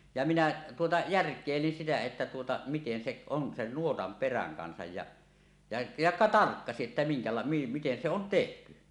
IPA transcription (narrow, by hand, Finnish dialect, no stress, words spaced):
jɑ minæ tuotɑ jærkˑeˑilin sitæ etːæ tuotɑ miten seʔ on sen nuotɑm peræŋ kɑnsɑj jɑ jɑ jɑ tɑrkːɑsiʔ ʔetːæ miŋkɑlɑ miten se on tehty